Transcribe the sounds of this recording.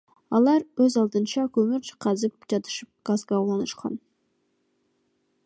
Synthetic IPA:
ɑlˠɑɾwɵzɑlˠd̪ənʃɑkʲʰɵmɪɾt͡ʃʰə̥qʰɑzəp̚kt̪ɑt̪ə̥ʃəp̚ɡ̥azɡɑwlˠɑnəʃqʰɑ̰n

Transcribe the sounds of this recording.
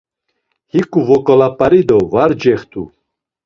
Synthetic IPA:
hikʼuvɔkʼɔlapʼaɾid̪ɔvaɾd͡ʒɛχt̪ʰṵ

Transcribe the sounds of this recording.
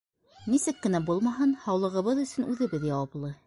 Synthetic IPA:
nisɘkːɘ̆næbulˠmɑɦɤnhɑwlˠɤ̆ʁɤ̆βɤðɵ̆sɵnʉðɘ̆βɘðjɑwɑplˠɤ

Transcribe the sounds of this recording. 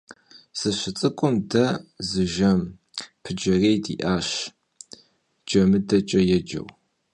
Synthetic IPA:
sɨɕɪt͡sʼɨkʷʼʊmdɐzɨʒɐm | pʰɨd͡ʒɐreːjdḭːʔaːɕ | d͡ʒʼɐmɨdɐt͡ʃʼɐjɛd͡ʒɐ̰w

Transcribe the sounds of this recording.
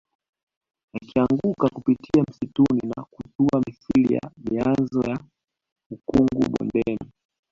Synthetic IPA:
akiaŋɡukakupitʰiam̩situnina̰kutuamisilija̰mianzɔja | ukuŋɡṵɓɔ̰ndɛmi

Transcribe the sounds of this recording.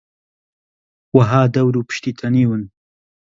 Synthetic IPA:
waɦaːd̪awɾupə̥ʃt̪it̪ʰaniwən

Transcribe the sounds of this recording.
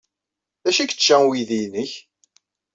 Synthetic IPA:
ðæʃækə̥t͡ʃːæwiðijnəç

